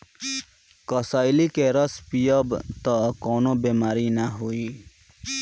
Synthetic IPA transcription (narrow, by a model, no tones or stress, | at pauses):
kəsaːɪlikeɾəspijəbt̪ɔkɔːnõbeːmaːɾinaɦuiː